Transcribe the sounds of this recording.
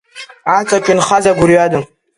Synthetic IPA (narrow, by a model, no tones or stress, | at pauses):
at͡sʼakʲʼɪnχazaɡʷʊɾjadɨm